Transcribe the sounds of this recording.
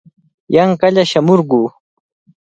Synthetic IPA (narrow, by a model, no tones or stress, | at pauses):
jaŋkaʎaʃamʊɾɢu